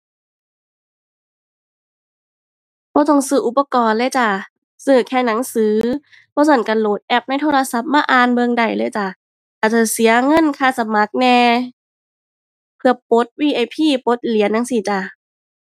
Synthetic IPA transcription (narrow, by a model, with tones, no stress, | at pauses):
bɔː˧˦t̪ɔ˧˩˨ŋsɯː˧˩ʔu˧˩pːa˧kɔː˧˨nlɛː˧˨jt͡ɕa˧˩ | sɯː˧˩kʰɛː˧˩na˨˦ŋsɯː˨˦ | b̥ʰɔː˧˦sa˧˩nka˧˩loː˨˩t̪̚ʔɛ˧˥p̚na˧˥˨jt̪ʰoː˧la˧sa˧˦p̚maː˧˨ʔaː˧nbɤ˧ŋda˨˩jlɤː˧˩˨jt͡ɕa˧˩ | ʔaː˨˩t͡ɕa˧˩si˨˦ɐŋɤ˧˥˨nkʰaː˧˥˩sa˧ma˨˦k̚nɛː˧ | pʰɯ˧ɐpo˨˦˥t̪̚wiː˧ʔa˧˩jpʰiː˧˩po˨˦t̪̚li˨˦ənːa˨˧˦ŋsiː˧˩t͡ɕa˧˩